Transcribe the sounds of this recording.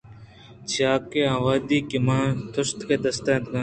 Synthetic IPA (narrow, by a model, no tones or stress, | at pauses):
t͡ɕaːkeaːwaːd̪iːkimãːt̪ʰʊst̪keːd̪ɐst̪ẽːt̪kãː